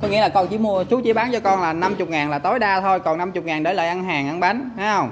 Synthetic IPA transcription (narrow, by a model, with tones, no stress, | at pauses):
kɔ˨˦ŋḭ˧˥˦laː˨˩kɔ˧nt͡ɕḭ˧˥˦mu˧ət͡ɕu˨˦t͡ɕi˧˦ɓaː˨˦nt͡ɕɔ˧kɔ˧nlaː˨˩na˧mt͡ɕʊ˨˩k͡p̚ŋaː˨˩nlaː˨˩t̪o˨˦jɗaː˧t̪ʰo˧jkɔ˨˩na˧mt͡ɕʊ˨˩k͡p̚ŋaː˨˩nɗəː˨˦lə̰ː˧˨˩jʔa˧nɦaː˨˩ŋʔa˧nɓa˨˦jnɛ˨˦ə˧wŋ͡m